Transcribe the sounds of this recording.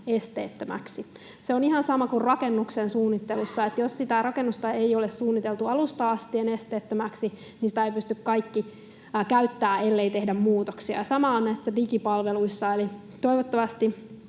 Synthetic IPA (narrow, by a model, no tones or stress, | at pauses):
est̪eːt̪ːømæ̰ksi | seonihɑnsɑmɑkurrɑkenːuksensuːnːit̪ːelusːɑet̪jossit̪ærɑkenːust̪ɑejolessuːnːit̪elt̪uɑlust̪ɑɑst̪ienest̪eːt̪ːømæksi | ninsĭ̥t̪æeipyst̪ykkɑikːi | kæyt̪ːæːe̞lːeit̪e̞hdæmmuːt̪oksiɑ̰sɑmɑonnæisːædikipɑlʋeluisːɑeli | t̪o̞iʋot̪ːɑʋɑst̪i